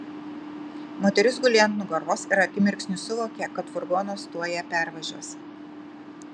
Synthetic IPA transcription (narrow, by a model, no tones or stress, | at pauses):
moːt̪ʲɛɾʲʊsɡʊlʲint̪nʊɡɐɾʋoːsɪɾɐkʲɪmʲɪɾʲksʲnʲʊsʊʋoːkʲɛˑkɐt̪fʊɾɡɔːnoːst̪uɔjɛpʲæˑɾʋɐʒʲuɔs